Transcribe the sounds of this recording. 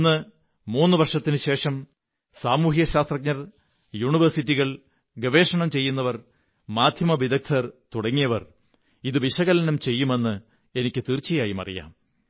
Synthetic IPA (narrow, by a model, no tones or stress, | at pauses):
nːɨ | muːnːɨʋɐrʂɐt̪ːinɨɕe̞ːʂɐm | saːmuːɦijɐɕaːst̪rɐk̚ɲɐr | juːɳiʋɐrsitːiɣɐɭ | ɡɐʋe̞ːʂɐɳɐmt͡ɕe̞jːunːɐʋɐr | maːd̪ʱjɐmɐʋid̪ɐk̚t̪ʰɐrt̪uɽɐŋːijɐʋɐr | iðɨʋiɕɐɣɐlɐnɐmt͡ɕe̞jːume̞nːɨ | e̞nikʲːɨt̪iːrt͡ɕːijaːjimɐ̰rḭja̰ːm